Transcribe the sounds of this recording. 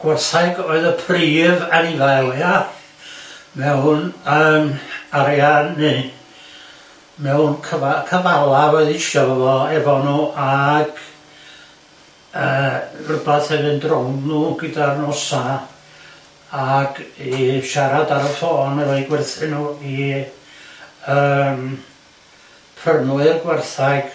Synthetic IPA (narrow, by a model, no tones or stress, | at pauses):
ɡ̥wɛrθajɡɔɨðəpʰriːvanivalˠja | mɛwnəːmaɾjani | mɛwnkʰəvakʰəvalˠawɛðɪʃɔvəvɔɛvɔnuːʔaɡ̥ | əːrəbaθɛvɨndrɔwnnuɡədarnɔsa | ɡ̥iʃaɾadaɾəfɔːnɛvɔjɡwɛrθɪnui | əm | pʰrənʊɨrɡwɛrθaɡ̥